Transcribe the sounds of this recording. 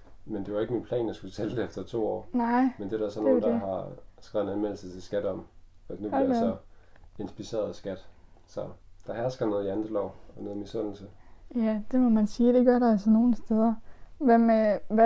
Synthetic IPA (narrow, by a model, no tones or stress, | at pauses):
mend̥e̝ʋɑ̈e̝ɡ̥əminpʰlɛ̰ːnjɑsɡ̥ut͡sʰeld̥e̝efd̥ɐt͡sʰo̝̰ːɒ̰ːnɑɪ̰mend̥e̝ɾsɒ̽noːndhɑ̈sɡ̥ʁɛ̰ʊenænmel̩sət͡sʰe̝lsɡ̥æd̥ɒmæd̥nub̥iiɐj̥sɒ̽ | e̝nsb̥ise̝̰ːɐðˠsɡ̥æd̥sɒ̽d̥ɑ̈ɦæɐsɡ̥ɐnɔːð̞̩ˠiænd̥əlɒʊ̰ɒ̽nɔːð̩ˠmisɔ̽n̰l̩səjæd̥e̝mɒmænsiːd̥e̝ɡ̥ɶɐɾɑ̈ælsɒno̝ːn̩sd̥eð̞ˠɐʋæmeæ